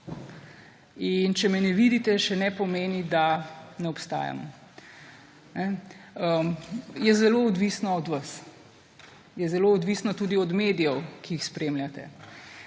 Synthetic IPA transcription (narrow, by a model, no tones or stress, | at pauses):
int͡ʃɛmɛnɛʋid̪it̪ɛʃɛnɛpɔmeːnid̪anɛɔpst̪a̰ːja̰mɔ̰ | nɛəmjɛzɛloːd̪ʋisnɔɔd̪ʋas | jɛzɛloɔd̪ʋiːsnɔt̪uːd̪iɔd̪meːd̪ijɛwkiixspɾeːmljat̪ɛ̰